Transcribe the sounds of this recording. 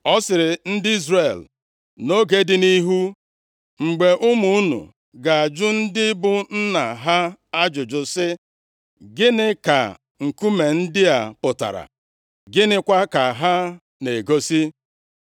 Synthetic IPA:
ɔ˦sɪ˨ɾɪ˨n̩˦dɪ˦i˦zre˨l | no˦ɡe˦dɪ˦ni˦ɦu˦ | ŋ͡m̩˨ɡ͡be˨ʔʊ˦mu˦u˦nṵ˨ | ɡa˨a˨d͡ʒʊ˦n̩˦dɪ˦bʊ˦n̩˦na˨ɦa˦a˦d͡ʒʊ˨d͡ʒʊ˨sɪ˦ | ɡɪ˦nɪ˦ka̰˨ | ŋ̩˨ku˦me˨n̩˦dɪ˦a˨pʊ˨ta̰˨ɾa̰˨ | ɡɪ˦nɪ˦kʷa˦ka˨ɦa˦ | ne˨ɡo˦si˦

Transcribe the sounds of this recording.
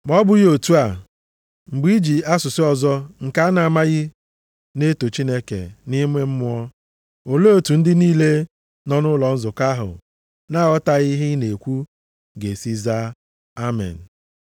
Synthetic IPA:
m˨ɔ˦bʊ˦ɣi˦o˨tu˦a˨ | ŋ͡m̩˨ɡ͡bi˦d͡ʒi˨a˦sʊ˨sɪ˦ɔ˨zɔ˦ŋ̩˨ka˦a˦na˨ma˦ɣɪ˦ | ne˦to˨t͡ʃi˦ne˦kḛ˨ni˦me˦m̩˦mʊ˦ɔ˦ | o˨lo˦o˨tu˨n̩˦dɪ˦niː˦le˦ | nɔ˦nʊ˦lɔ˨n̩˦zʊ˨ka˦ɦʊ̰˨ | na˦˨ɔ˦ta˨ɣɪ˦ɦɪ˦ne˨kʷu˦ | ɡe˨si˦za˦ | a˦mɛ̰˨n̩˨

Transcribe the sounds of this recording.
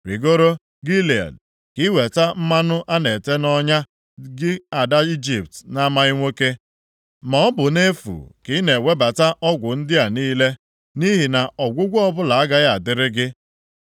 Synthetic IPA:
wi˨ɡo˦ɾo˦ | ɡi˦li˨a̰˨d̚ | ki˦we˨ta˦m̩˦ma˦nʊ˦ʔa˦ne˨te˦nɔ˦ɲa˦ | ɡɪ˦a˨da˦i˦d͡ʒi˨ptna˦ma˦ɪ˦ŋʷe˦ke˦ | mɔ˨ɔ˦bʊ˨ne˦fṵ˨ki˨˦ne˨we˦ba˨ta˦ʔɔ˦ɡʷʊ˨n̩˦dɪ˦a˨niː˦le˦ | ni˦ɦi˨na˨ɔ˨ɡʷʊ˦ɡʷɔ˦bʊ˦la˨a˦ɡa˦ɣa˨dɪ˦ɾɪ˦ɡɪ˦

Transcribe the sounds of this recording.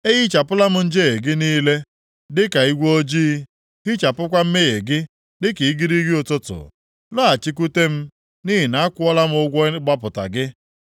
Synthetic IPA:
e˦ɣi˦t͡ʃa˨pʊ˦la˦m̩˦n̩˦d͡ʒe˦ɣe˨ɡɪ˦niː˦le˦ | dɪ˦ka˨i˦ɡʷo˦d͡ʒiː˦ | ɦɪ˦t͡ʃa˨pʊ˦kʷa˦m̩˦me˦ɣe˨ɡɪ˦ | dɪ˦ki˨i˦ɡi˦ɾi˦ɡi˦o˨tʊ˦tʊ̰˨ | lɔ˦a˨t͡ʃi˦k̬u˦te˦m̩˦ | ni˦ɦi˨na˨˦a˦kʷʊ˦ɔ˦la˦m̩˦ʊ˦ɡʷɔ˦ɡ͡ba˦pʊ˨ta̰˨ɡɪ˦

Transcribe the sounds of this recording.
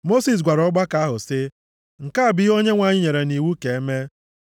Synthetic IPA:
mo˦si˨s̬ɡʷa˨ɾɔ˦ɡ͡ba˦ka˦ɦʊ˨sɪ˦ | ŋ̩˨ka˦a˨bɪ˦o˦ɲe˦ŋʷa˨ɲɪ˦ɲe˨ɾe˨ni˨wu˦ke˨e˦me˦

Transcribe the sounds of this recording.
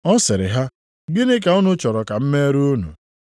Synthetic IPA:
ɔ˦sɪ˨ɾɪ˨ɦa˦ | ɡɪ˦nɪ˦ka˨ʊ˦nʊ˦t͡ʃɔ˨ɾɔ˨ka˨m̩˦me˦ɾu˦nṵ˨

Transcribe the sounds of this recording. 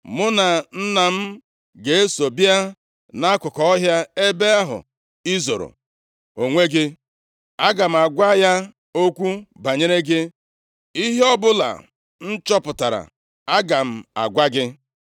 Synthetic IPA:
mʊ˦na˨n̩˦na˨m̩˦ | ɡe˨e˦so˨bi˦a˦ | na˦a˦kʊ˨kɔ˦ɔ˦ɦja˦e˦be˦a˦ɦʊ̰˨ | i˦zo˨ɾo̰˨ | o˨ŋʷe˦ɡɪ˦ | a˦ɡa˨m̩˨a˨ɡʷa˦ja˦ | o˦kʷu˦ba˨ɲe˦ɾe˦ɡɪ˦ | i˦ɦe˦ɔ˦bʊ˦la̰˨ | n̩˦t͡ʃɔ˦pʊ˨ta˨ɾa̰˨ | a˦ɡa˨m̩˦a̰˨ɡʷa˦ɡɪ˦

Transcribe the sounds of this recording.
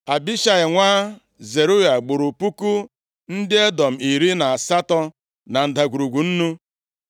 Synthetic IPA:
a˨bi˦ʃa˨ɪ˨ŋʷaː˦ | ze˨ɾu˦ja˨ɡ͡bʊ˨ɾu˨pu˦ku˦ | n̩˦dɪ˦e˦dɔ˨m̩˨i˨ɾi˦na˨a˨sa˦tɔ˦ | na˨n̩˨da˨ɡu˨ɾu˨ɡʷu˨n̩˦nu˦

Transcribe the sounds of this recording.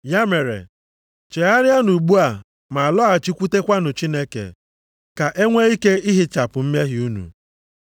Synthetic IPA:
ja˦me˨ɾḛ˨ | t͡ʃe˨a˦ɾɪ˦a˦nu˨ɡ͡bu˦a˨ | ma˨a˨lɔ˦a˨t͡ʃi˦kʷu˦te˦kʷa˦nʊ˨t͡ʃi˦ne˦kḛ˨ | ka˨ʔe˦ŋʷe˦i˦ke˦i˦ɦi˦t͡ʃa˨pʊ˨m̩˦me˦ɦɪ˨u˦nṵ˨

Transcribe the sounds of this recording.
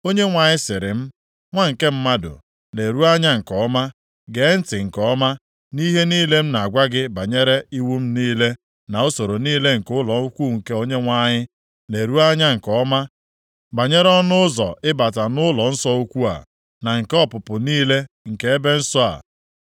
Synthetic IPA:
o˦ɲe˦ŋʷa˨ɲɪ˦sɪ˨ɾɪ˨m̩˦ | ŋʷa˦ŋ̩˨ke˦m̩˦ma˦dʊ̰˨ | ne˨ɾu˦a˦ɲa˦ŋ̩˨kɔ˨˦ma˦ | ɡe˨˦n̩˦tɪ˨ŋ̩˨kɔ˨˦ma˦ | ni˦ɦe˦niː˦le˦m̩˦na˨a˨ɡʷa˦ɡɪ˦ba˨ɲe˦ɾe˦i˦wu˦m̩˦niː˦le˦ | na˨o˦so˨ɾo˨niː˦le˦ŋ̩˨kʊ˦lɔ˨u˦kʷu˦˨ŋ̩˨ke˦o˦ɲe˦ŋʷa˦ɲɪ˦ | ne˨ɾu˦a˦ɲa˦ŋ̩˨kɔ˨˦ma˦ | ba˨ɲe˦ɾɔ˦nʊ˦ʊ˦zɔ̰˨ʔɪ˦ba˨ta˨nʊ˦lɔ˨n̩˦sɔ˦u˦kʷu˦a̰˨ | na˨ŋ̩˨kɔ˦pʊ˨pʊ˨niː˦le˦ | ŋ̩˨ke˦e˦be˦n̩˦sɔ˦a̰˨

